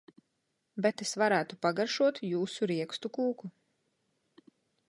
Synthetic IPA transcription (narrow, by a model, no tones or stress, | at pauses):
bet̪esvaɾæːt̪upaɡaɾʃuɔt̪juːsuɾiɛkst̪ukuːku